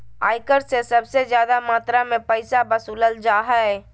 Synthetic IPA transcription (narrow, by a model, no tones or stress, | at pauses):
a̰ːjkəɾsesəbsed͡ʒjaːd̪amaːt̪ɾamepəɪsabəsuləld͡ʒaːɦɛ